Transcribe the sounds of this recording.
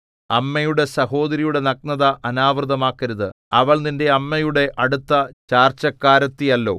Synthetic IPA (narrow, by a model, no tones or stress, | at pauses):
ɐmːɐjuɽe̞sɐɦo̞ːd̪ɐɾijuɽe̞nɐk̚nɐðɐʔɐnaːʋrɨðɐmaːkːɐɾuðɨ | ɐʋɐɭninde̞ɐmːɐjuɽe̞ʔɐɽut̪ːɐt͡ɕaːrt͡ɕɐkːaːɾɐt̪ːijɐlːo̞̰ː